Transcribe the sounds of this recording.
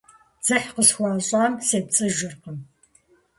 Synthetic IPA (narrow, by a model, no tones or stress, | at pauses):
d͡z̥ɨħqəsxʷɑːɕʼaːmseːp̚t͡sʼɨʒɪrqəm